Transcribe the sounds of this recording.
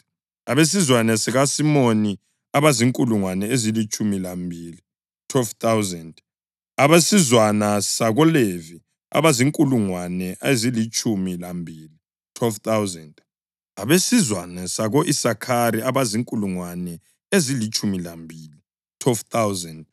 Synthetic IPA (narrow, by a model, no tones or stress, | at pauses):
aβes̬izwanɛsɛɣasimoni | aβaziŋkʼuluŋwanɛezilit͡ʃʼumilambʱili | tʰwɛlft̪awzɛnd | aβesizwanasaɣɔlevi | a̰βaziŋkʼuluŋwanɛʔezilit͡ʃʼumilambʱiːli | tʰwɛlft̪awzɛnd | aβesizwanɛsaɣoʔisakʰaɾiaβaziŋkʼuluŋwanɛ | ezilit͡ʃʼumilambʱiːli | tʰwɛlft̪ʰawzɛnd